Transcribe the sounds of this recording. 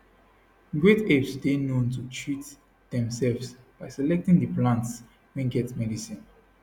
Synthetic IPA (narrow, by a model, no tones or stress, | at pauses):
ɡɹetevsdenõntutʰɹit | d̥ɛ̃msɛlvsb̥aɪsɛlɛk̚tĩŋdəplãnts | wɛ̃nɡɛtmɛdisĩn